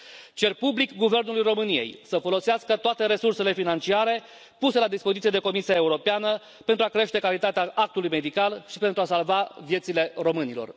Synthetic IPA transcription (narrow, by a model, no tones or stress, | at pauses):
t͡ʃe̞rpublikɡuve̞rnulujro̞mɨnije̞̰jsəfo̞lo̞seaskət̪oat̪e̞ɾe̞surse̞le̞finant͡ʃiaɾe̞ | puse̞lad̪ispozit̪sied̪e̞ko̞misiae̞uɾo̞peanə | pent̪ɾuakɾe̞ʃt̪e̞kalit̪at̪eaʔak̚t̪ulujme̞d̪ikalʃipe̞nt̪ɾuasalvavje̞t̪sile̞ro̞mɨnilo̞̰r